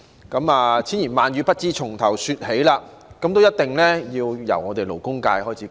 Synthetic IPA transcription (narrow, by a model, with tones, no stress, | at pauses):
kɐ˨˥maː˨t͡sʰiː˨˥njiː˨˩nmaː˨nyː˨˧pɐ˥t̚t͡siː˧˥t͡ʃʰʊ˨˩ŋt̪ʰɐ˨˩wsyː˧t̚he˨˥jlaː˧ | kɐ˨˥mt̪o˥wjɐ˥t̚t̪ɪ˨ŋlɛː˥jiː˧wjɐ̰˨˩wŋɔː˨˧t̪e˨jlo˨˩wkʊ˥ŋka̰ː˧jhɔː˥jt͡sʰiː˨˦